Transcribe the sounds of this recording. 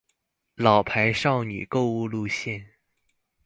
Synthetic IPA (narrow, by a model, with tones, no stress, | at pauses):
lɑ˨˩ʊpʰa˧˥ɪʂɑ˥˩ʊny̰˨˩ko˥˧ʊu˥˧lu˥˧ɕjɛ˥˩n